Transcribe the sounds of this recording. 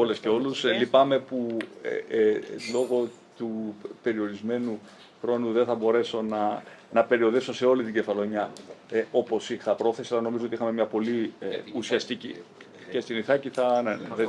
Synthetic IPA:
ole̞sce̞o̞luslipɐme̞pṵ | lo̞ɣo̞ | t̪upe̞ɾio̞ɾizme̞nu | xɾo̞nuðe̞nθɐbo̞ɾe̞so̞nɐ | nɐpe̞ɾio̞ðesose̞o̞lit̪iɟe̞fɐlo̞ɲɐ | o̞po̞siθɐpɾo̞θesiɐlɐno̞mizoot̪ixɐmemɲɐpo̞liusiɐst̪icḭ | ce̞st̪iniθɐciθɐneðe

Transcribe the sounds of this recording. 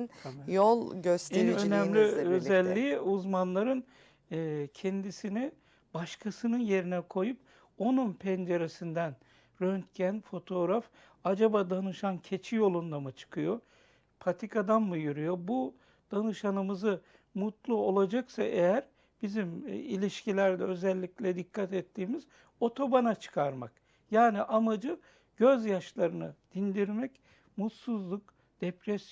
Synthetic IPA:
njolˠɟøst̪nø̞næmlʲiøzɛlʲːiuzmanlˠaɾɯnː | cʰɛnd̪isini | baʃkʰasɯnɯnje̞ɾinɛkʰo̞jup̚ | o̞nunpʰɛnd͡ʒeɾesind̪æn | ɾønt̪cʰænfo̞t̪ʰo̞ːɾaf | ad͡ʒabaːd̪anɯʃancʰe̞t͡ʃʰijo̞lˠund̪amɯt͡ʃʰɯ̥kʰɯjo | pʰat̪ʰikʰad̪anmɯjyɾyjo̞bu | d̪̥anɯʃanɯmɯzɯ | mut̪lˠuo̞lˠad͡ʒaksaʔejæɾ | b̥izimḭlʲiʃcilʲæɾd̪ɛø̞zɛlʲːiclʲɛd̪ikʰːat̪ɛt̪ːiːmiz | o̞t̪ʰo̞banat͡ʃʰɯ̥kʰaɾmak | jaːniʔamad͡ʒɯ | ɟ̥øzjaʃlˠaɾɯnɯd̪̥ind̪iɾmɛc | mut̪suzlˠuk | d̪̥epɾɛs

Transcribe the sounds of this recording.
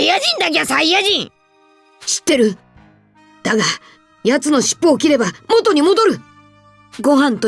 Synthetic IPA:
iaʑĩnd̪ak̬ʲasaijaʑĩŋ | ɕi̥t̪ːe̞ɾɯ̟ | d̪̥aɡa | jat͡sɨno̞ɕi̥pːoːkʲiɾe̞bamo̞t̪o̞ɲ̟imo̞d̪o̞ɾɯ̟ | ɡo̞ɦãnt̪o

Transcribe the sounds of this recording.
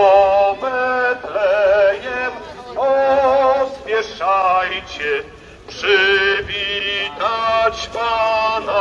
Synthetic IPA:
ɔmɛt̪lɛɲɛm | ɔ | zmʲjɛʂajt͡ɕɛ | pʂɨvʲit̪at͡ɕpana

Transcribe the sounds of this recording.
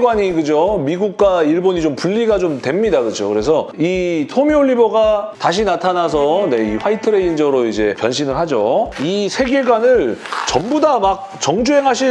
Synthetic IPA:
ɡwaɲikɯd͡ʑomiɡuk̚k͈waiɭboɲit͡ɕompuʎːiɡat͡ɕomtwe̞mɲidakɯd͡ʑo̰kɯɾe̞s̬ʰʌitʰomioɭːiboɡataɕ̬ʰinatʰanas̬ʰʌne̞iɸʰwaitʰɯɾeind͡ʑʌɾoid͡ʑe̞pjʌnɕ̬ʰinɯɭɦad͡ʑoisʰe̞ɡe̞ɡwanɯɭt͡ɕʌmbudamak̚t͡ɕʌŋd͡ʑuɦe̞ŋɦaɕʰi

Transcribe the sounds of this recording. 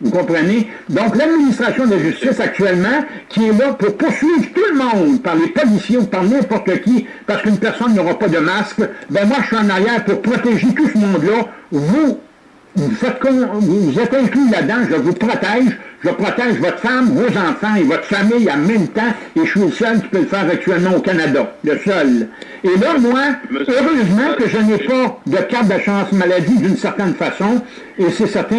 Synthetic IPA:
vukɔ̃pʁəne | d̪ɔ̃klad̪̚minist̪ʁasjɔ̃d̪laʒyst̪ɪsak̚t̪ɥɛlmɑ̃ | kʲiɛlʌpʊʁpʊʁsɥiːvʁt̪ulmɔ̃d̪paʁlepɔlisjeupaʁnɛ̃pɔʁt̪əkʲi | paʁsə̥kynpɛʁsɔnːɔʁɑpɔd̪əmaskbɛ̃mwaəsɥiɑ̃naʁjɛːʁpʊʁpʁɔt̪eʒet̪usəmɔ̃d̪lʌvu | vufɛt̪̚kɔ̃vuvuzɛt̪ɛ̃klylad̪ãʒəvupʁɔt̪ɛːʒʒəpʁɔt̪ɛʒvɔt̪χfamvozɑ̃fɑ̃evɔt̪ʁfamijamɛ̃mt̪ã | eʃəsɥiləsœlkʲi̥pøləfɛːʁak̚t̪yɛlmɑ̃okanad̪aləsœl | elʌmwaøʁøzmɑ̃kəʒənɛpad̪əkat̪̚d̪asyʁɑ̃smalad̪id̪ynsɛʁt̪ɛnfasɔ̃ | esɛsɛʁt̪ɛ̃

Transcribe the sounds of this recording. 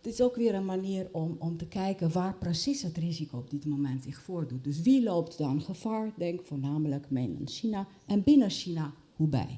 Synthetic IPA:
tɪsoːkʋɪəɾənmaniərɔmɔmtəkɛjkəʋaːrprəsishətrizikoɔb̚dɪtmomɛntsɪxfoːərdut̚døs̬ʋiloːptdɔnxəfaːɹdɛŋkfoːɹnaːmələkmɛnə̰nʃina | ʔɛnbɪnəʃina | hubɛ̰j

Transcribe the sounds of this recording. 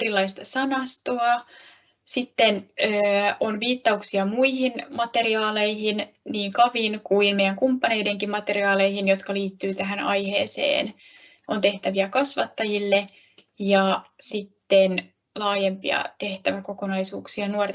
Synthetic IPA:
rilːɑist̪ɑsɑnɑst̪oɑ | sit̪ːenøːonʋiːt̪ːɑuksiɑmuihinmɑt̪e̞riɑːle̞jhinniːŋkɑʋinkuinmejæŋkumpːɑne̞jde̞ŋkimmɑt̪e̞riɑːle̞jhinjo̞t̪kɑliːt̪ːyːt̪æɦænɑ̰jhe̞̰ːsḛːn | ʔont̪e̞ht̪æʋiækɑsʋɑt̪ːɑjilːe | jɑsit̪ːen | lɑːjempḭɑ̰t̪e̞ht̪æʋæko̞ko̞nɑjsuːksiɑnuort

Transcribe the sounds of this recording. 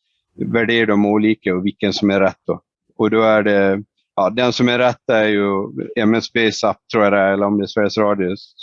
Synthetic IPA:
væɖeːɖɔmuːliːkəɔvɪkːənsɔmæɾɛt̪ːd̪ɔ | ɔd̪ɔæɖɛ | ɑːd̪ɛnsɔmæɾɛt̪ːaæɾjɵɛmɛnspɛsap̚ːt̪ʰɾuːaɾɛɛlːəɾɔmd̪ɛæsvæɾjəsɾɑːd̪jʊs

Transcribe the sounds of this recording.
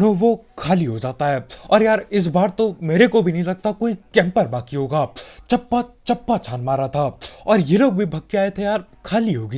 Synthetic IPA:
nõʋokʰaːliɦod͡ʒaːt̪aɦɛːɔːɾjaːɾɪs̬baːɾt̪omeːɾekobʱinɐɦĩlɐɡ̚t̪akoːikɛ̃ːmpəɾbaːkiɦoːɡaːt͡ʃɐpːat͡ʃɐpːat͡ʃʰaːnmaːɾat̪ʰaɔːɾjeloːɡ̚bʱibʱɐkːeaːet̪ʰejaːɾ | kʰaːliɦoːɡiː

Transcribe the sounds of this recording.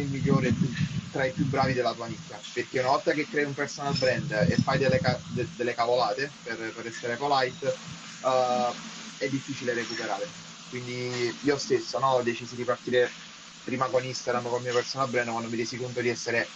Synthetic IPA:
ilmiʎːoːɾepːut̪ɾaipjubɾaːvid̪elːat̪uanit̪ːaperk̟eunavɔlt̪akekɾɛːiumpersonalbɾɛnd̪ḛfːajd̪elːekad̪ed̪elːekavolaːt̪eperpeɾɛsːeɾekolajt̪ | ɛd̪ːifːiːt͡ʃileɾekupeɾaːɾe | kwind̪iiːost̪esːonɔɔd̪ːet͡ʃizid̪ipart̪iːɾe | pɾiːmakonist̪aɡɾamkolmiopersonalbɾɛnd̪kwand̪omiɾjɛːsikont̪od̪iɛsːeɾe

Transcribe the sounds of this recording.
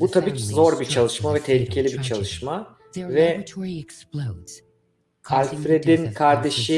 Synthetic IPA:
but̪ʰabiːcʰzo̞ɾbit͡ʃʰalˠɯʃmavɛt̪ʰɛhlʲicʰe̞lʲibit͡ʃʰalˠɯʃma | vɛk | alʲfɾe̞d̪inkʰaɾd̪e̞ʃi

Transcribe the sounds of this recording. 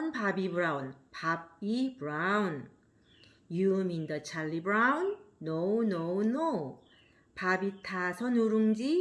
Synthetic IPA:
npabibɾaunpab̚ibɾaun | jumind̪ʌt͡ɕʰalːibɾaunːownowno | pabitʰasʰʌnuɾuŋd͡ʑi

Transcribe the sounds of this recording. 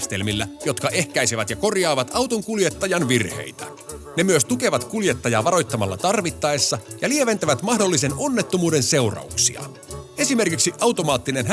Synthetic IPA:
st̪e̞̰lmilːæjo̞t̪kɑʔe̞hkæjsiʋæt̪jɑko̞rjɑːʋɑt̪ɑwt̪oŋkulje̞t̪ːɑjɑnʋirhe̞̰jt̪æ | ne̞myøst̪uke̞ʋɑt̪kuljet̪ːɑjɑːʋɑɾo̞jt̪ːɑmɑlːɑ̰t̪ɑrʋit̪ːɑesːɑjɑlie̞ʋe̞nt̪æʋæt̪mɑhdo̞lːise̞no̞nːet̪ːomuːde̞nse̞wrɑ̰uksḭɑ̰ | e̞sime̞rkiksiʔɑwt̪o̞mɑːt̪ːine̞nɦ

